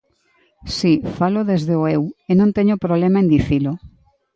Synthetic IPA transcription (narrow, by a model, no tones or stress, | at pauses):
sifalʊðezðeoewenõnt̪eɲopɾoβlemaẽnd̪iθilʊ